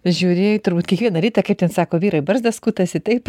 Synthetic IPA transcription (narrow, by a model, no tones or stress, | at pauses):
ʒʲuːɾʲeːjot̪ʊɾbuːt̪kʲɛkʋʲiɛnɐɾʲiːt̪ɐkɐɪptʲɛnsɑːkoːʋʲiːɾɐɪbɐɾzd̪ɐskuːt̪ɐsɪt̪ɐɪp